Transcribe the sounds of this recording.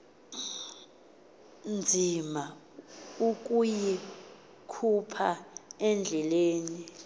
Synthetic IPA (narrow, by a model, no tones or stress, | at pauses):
nd͡zʱima | uk̬ʼuji | kʰupʰaɛnd͡ɮʱɛleːni